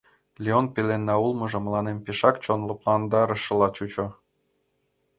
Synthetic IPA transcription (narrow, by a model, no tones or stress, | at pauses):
lʲeonpelenːɑulˠmɤ̆ʒɤ̆mə̆lˠɑnempeʃɑkt͡ɕonlŏplˠɑnd̪ɑɾɤ̆ʃɤ̆lɑt͡ɕut͡ɕo